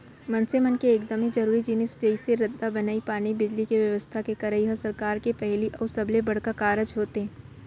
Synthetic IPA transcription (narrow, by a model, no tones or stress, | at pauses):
mɐ̃nsemənkeːkd̪əmid͡ʒɐɾuːɾid͡ʒinɪsd͡ʒɐɪseɾɐd̪ːabɐnaːipaːnibɪd͡ʒlikeʋjɐʋəst̪ʰakekɐɾəiɦəsɐɾkaːɾkepɛɦliʔɔːɾsɐblebɐɽ̤kakaːɾəd͡ʒɦoːt̪eɦɛː